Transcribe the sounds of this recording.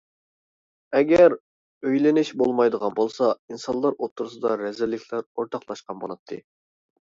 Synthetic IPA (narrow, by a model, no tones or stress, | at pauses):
ɛɡʲɛɾ | øjlɪnɪʃbolˠmɑjd̪əʁɑnbolˠsɑinsɑnlˠɑɾot̪ʰːuɾus̬ɨd̪ɑɾɛzɪlːɪkʲʰlæɾoɾt̪ʰɑqlˠɑʃqɑnbo̰lˠɑt̪ʰːɨ̰